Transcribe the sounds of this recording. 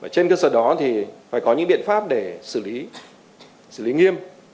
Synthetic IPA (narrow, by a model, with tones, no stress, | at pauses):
vaː˧˩t͡ɕe˧nkəː˧səː˧˩ɗɔ˨˦t̪ʰi˨˩faː˧˩jkɔ˨˦ɲɨ̰˧˥ŋɓḭ˧˨ənfaː˦˥p̚ɗe˧˩sɨ˧˩li˨˦ | sɨ˧˩li˨˦ŋi˧əm